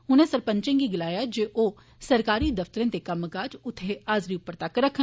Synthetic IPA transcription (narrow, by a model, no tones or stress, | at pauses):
ɦʊnẽsəɾpə̃ɲt͡ʃẽŋɡiɡɪlaːjad͡ʒeːʔoː | sɐɾkaːɾid̪ɐft̪əɾẽt̪ekɐmːkaːd͡ʒʊt̪ʰːeaːzɾiʊpːəɾt̪akɾəkʰːə̃